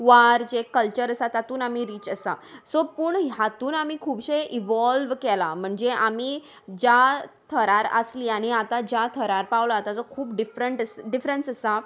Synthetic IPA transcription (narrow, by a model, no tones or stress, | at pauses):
ʋaɾd͡ʑekəlt͡ɕəɾəsat̪at̪uːnamiɾiːt͡ɕəsasopuːɳɦjat̪uːnamiːkʰuːbɕeʔiʋɔlʋkɛlam̤əɳd͡zeamiː | d͡ʑat̪ʰəɾaɾə̰sliːaɽ̃iat̪ad͡ʑjat̪ʰəɾaɾpaʋlat̪at͡sɔkʰuːpɖifɾəɳʈəsɖifɾənsəsa